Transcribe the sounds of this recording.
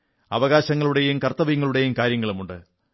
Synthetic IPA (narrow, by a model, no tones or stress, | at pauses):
ɐ̰ʋɐɣaːɕɐŋːɐɭuɽe̞jumkɐrt̪ːɐʋɐjuŋːɐɭuɽe̞jumkaːɾjɐŋːɐɭumuɳɖɨ